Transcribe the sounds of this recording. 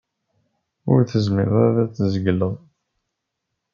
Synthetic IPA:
ʊɾθəzmɪɾæðæt͡sːzəɡlːəðˤ

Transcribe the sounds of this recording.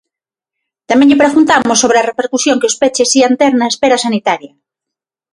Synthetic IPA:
t̪amɛ̃ɲʎɪpeɾɣunt̪amʊsːoβɾeɐrepeɾkusjoŋkeospet͡ʃesiant̪eɾnaespeɾɐsanit̪aɾjɐ

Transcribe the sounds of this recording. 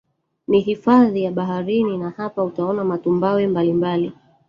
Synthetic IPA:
niɦifaðijaɓaɦaɾininahapautaɔnamatumbawɛmbalimbali

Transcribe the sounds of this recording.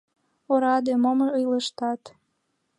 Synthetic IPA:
oɾɑd̪emomɤəjlə̆ʃt̪ɑt̪

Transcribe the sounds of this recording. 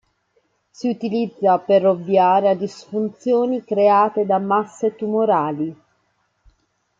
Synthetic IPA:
siut̪ilid̪zːaperovːjaːɾead̪isfunt̪sjoːnikɾeaːt̪ed̪amasːet̪umoɾaːli

